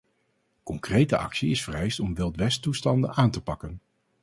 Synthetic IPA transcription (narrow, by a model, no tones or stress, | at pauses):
kɔŋkrejtəʔɑ̰ksiɪsfərɛjstɔmʋɪlˠtʋɛstustɑndə̰nʔaːntəpɑkən